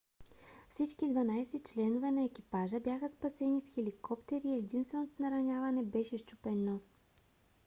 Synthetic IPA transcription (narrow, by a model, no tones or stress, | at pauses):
fsit͡ʃkid̪vɐnajsɛt͡ʃlɛnovɛnɐɛk̟ʲipaʒəbʲjaxəspɐsɛnisxɛlikɔpt̪ɛɾiɛd̪inst̪vɛnot̪onɐɾɐnʲavɐnɛbɛʃɛʃt͡ʃupɛnːɔs